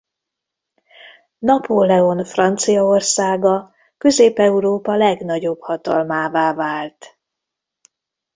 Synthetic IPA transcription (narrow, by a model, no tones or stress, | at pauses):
nɒpʰolɛonfrɒnt̪sijɒo̞rsaːɡɒ | kø̞zeːpɛuɾoːpɒlɛɡnɒɟo̞bhɒt̪ɒ̰lmaːvaːvaːlt̪